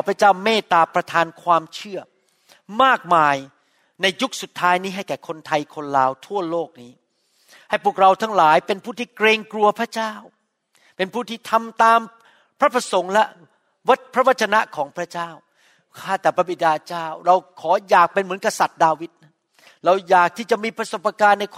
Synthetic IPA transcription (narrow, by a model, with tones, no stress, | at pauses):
pʰɾa˦˥t͡ɕaː˥˩wmeː˥˩t̪aː˧pɾa˧t̪ʰaː˧nkʰwaː˧mt͡ɕʰɯ˥˩ə | maː˥˩k̚maː˧j | na˧jːu˦˥k̚su˨˩t̪ʰːaː˦˥jniː˦˥ɦa˥˩jkɛː˨˩kʰo˧nt̪ʰa˧jkʰo˧nɾaː˧wt̪ʰu˥˩əloː˥˩k̚niː˦˥ | ha˥˩jpu˨˩ək̚ɾa˧wt̪ʰaː˦˥ŋlaː˩˦jpe˧npʰuː˥˩t̪ʰiː˥˩kɾeː˧ŋklu˧ɐpʰɾa˦˥t͡ɕaː˥˩w | pe˧npʰuː˥˩t̪ʰiː˥˩t̪ʰa˧mt̪aː˧m | pʰɾa˦˥pʰɾa˧so˩˦ŋlɛ˦˥ | wa˦˥t̪̚pʰɾa˦˥wa˦˥t̪̚t͡ɕʰa˧na˦˥ʔkʰɔː˩˦ŋpʰɾa˦˥t͡ɕaː˥˩w | kʰaː˥˩t̪ɛː˨˩pʰɾa˦˥bi˨˧t̪̚daː˧t͡ɕaː˥˩wɾa˧wkʰɔː˩˦jaː˨˩k̚pe˧nmɯ˩˦ənka˧sa˨˩t̪̚daː˧wi˦˥t̪̚na˦˥n | ɾa˧wjaː˨˩k̚t̪ʰiː˥˩t͡ɕa˨˩ʔmiː˧pʰɾa˧˥so˨˩p̚ːa˧kaː˧nːa˧jkʰ